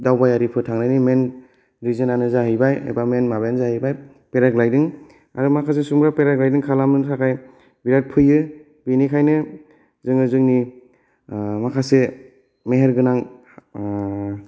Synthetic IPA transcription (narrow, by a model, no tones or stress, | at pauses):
dawbajaɾipʰɯtʰaŋnanimen | ɾizɯnanɯzaɦɯjbajḛbamenmabajnzahɯjbaj | peɾaɡlajdɯŋ | a̰ɾɯmakʰas̬esumɾapeɾaɡlajdɯŋkʰalamɯtʰakʰaj | biɾat̚pʰɯjɯ | binikʰajnɯ | zɯŋɯzɯŋni | makʰase | meɦeɾɡɯnaŋ